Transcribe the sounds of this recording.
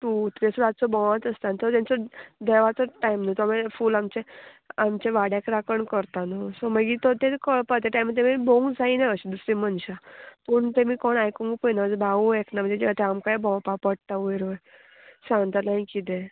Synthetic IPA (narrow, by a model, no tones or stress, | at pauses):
t̪ut̪ɾesɾat͡sɔbɔ̃ãt̪əst̪ant̪ɔt̪ant͡sɔd̪ɛʋat͡sɔʈajmnət̪ɔamfuːlamt͡ɕe | amt͡ɕeʋaɽjakɾakəɳkəɾt̪anɔsɔməɡiːt̪ɔt̪ekəɭpat̪eʈajmt̪̬ẽmiboŋɡd͡zainaəɕid̪usɾimənɕapəɳt̪emiːkɔɳajkuŋɡpəjnad͡zbʱaueknam̤əɳd͡zed͡ʑiʋat̪eamkajbɔ̃wpapəɽ̚t̪aʋeɾoj | sãŋɡt̪anaɦikit̪e